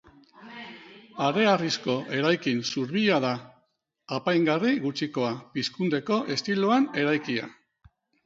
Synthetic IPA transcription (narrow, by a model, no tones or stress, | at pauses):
aɾe̞arisko̞ʔe̞ɾajkinsuɾβiʎað̞aː | pajŋɡariɣut͡ʃiko̞apiskund̪e̞ko̞ʔe̞st̪iluane̞ɾajkia̰